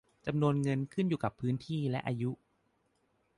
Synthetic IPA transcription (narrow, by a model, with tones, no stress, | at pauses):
t͡ɕa˧mnu˧ənŋɤ˧nkʰɯ˥˩njuː˨˩ka˨˩pʰːɯː˦˥nt̪ʰiː˥˩lɛ˦˥ʔaː˧ju˦˥ʔ